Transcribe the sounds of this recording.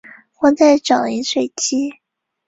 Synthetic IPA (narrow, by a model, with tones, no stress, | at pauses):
xwa˥t͡sa˥˩ɪʈ͡ʂɑ˨˩i˧˥ŋʂwe˨˩ɪt͡ɕʰi˥